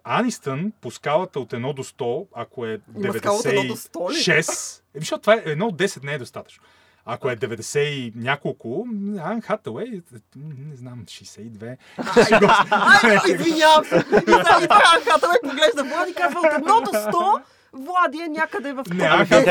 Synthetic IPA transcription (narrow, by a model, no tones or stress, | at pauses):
anist̪ənposkalˠɐt̪əot̪ɛd̪nɔd̪ost̪ɔɐkoɛd̪ɛvɛsd̪asɛɛɔist̪ɔʃɛsmiʃɔt̪vaɛʔɛd̪nɔod̪ːɛsɛt̪nɛɛd̪ost̪at̪ə̥t͡ʃno | ɐkoɛd̪ɛvɛd̪ɛsɛinʲakolˠkʊanxat̪əwɛj | nɛznamʃɛjsɛid̪vɛ | ɡ | izviɲavəmaitanxat̪ɐwɛjpoɡlɛʒd̪ɐvlˠad̪iːkazvɐt̪ɛd̪nɔd̪ot̪ɔ | vlˠad̪iɛnʲakəd̪ɛvɐfknɛaxa